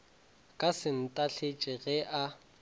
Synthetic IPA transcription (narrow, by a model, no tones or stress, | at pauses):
kʼasɪn̩tʼaɬʰet͡ʃʼɪɣɛʔa